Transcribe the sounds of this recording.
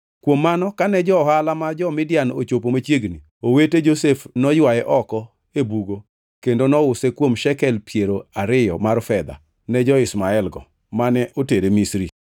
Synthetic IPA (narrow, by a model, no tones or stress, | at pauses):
kwomːanɔkanɛd͡ʒɔhalamad͡ʒɔmɪdjano̰t͡ʃopomat͡ʃjeɡni | oweted͡ʒosefnɔjwajɛʔɔkɔ | ebuɡo | kendonɔʊsɛkwomʃɛkɛlpjeɾoaɾɪjɔ̰marfɛd̪a̰ | nɛd͡ʒɔɪsmaɛlɡɔ̰ | manɛʔoteɾemisɾi